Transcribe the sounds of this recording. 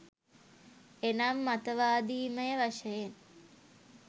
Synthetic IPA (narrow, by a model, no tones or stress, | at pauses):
enamːat̪əʋaːd̪iːməjəʋaʃəjen